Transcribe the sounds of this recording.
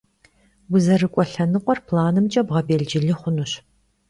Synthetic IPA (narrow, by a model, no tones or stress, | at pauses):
wʊzɐrɨkʷʼɔɬɐnɨqʷʼɔrpʰlaːnɨmt͡ʃʼɐbʁɐbeːɮd͡ʒɪɮɨχʷʊnuɕ